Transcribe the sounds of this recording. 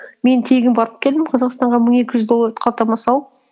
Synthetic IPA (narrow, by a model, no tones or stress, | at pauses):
me̞nt̪ʰe̞ɡʲɪnbɑɾəp̚kʲʰe̞ld̪ɪmqʰɑzɑqst̪ɑɴʁɑməɴe̞kʲɪʒʏzd̪o̞lˠːɑɾt̪qʰɑlˠt̪ɑmɑsɑwˠ